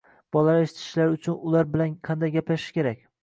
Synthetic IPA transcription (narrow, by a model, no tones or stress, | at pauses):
b̥ɒlˠaɾeʃɪ̥t̪ʰɪ̥ʃlaɾʊt͡ʃʰʊnʊlaɾbɪlanqʰɑnd̪ajɡʲaplaʃɪ̥kʲe̞ɾakʲ